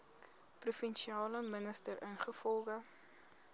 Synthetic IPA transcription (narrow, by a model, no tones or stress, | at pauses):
prufɛnʃiɑːləmənəstərənχəfɔlˠχə